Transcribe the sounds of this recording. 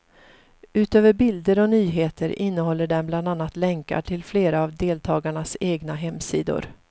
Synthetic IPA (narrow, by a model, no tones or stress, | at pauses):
ʉ̟ːt̪øːvəɾbɪld̪əɾɔnyːɦeːt̪ʰəɾɪnːəɦɔlːəɖɛmbland̪anːat̪lɛŋka̰ʈʰɪlfleːɾaːvd̪eːlt̪ʰɑːɡaɳaseːɡnaɦɛmːsiːd̪ʊ̰ɾ